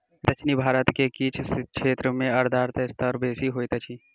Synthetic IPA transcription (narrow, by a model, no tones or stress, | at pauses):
d̪ɐt͡ʃʰnibʱaːɾət̪kekiːt͡ʃʰsʃeːt̪ɾəmẽɐɾd̪ʱaːɾt̪ɐst̪ʰəɾbeːsiɦoːit̪ɐt͡ʃʰi